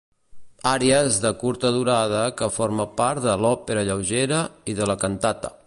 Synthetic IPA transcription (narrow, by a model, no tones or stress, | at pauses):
aɾeəzðəkuɾt̪əðuɾað̞əkəfoɾməpaɾt̪d̪əlɔpeɾəʎəwʒeɾəiðələkənt̪at̪ə̰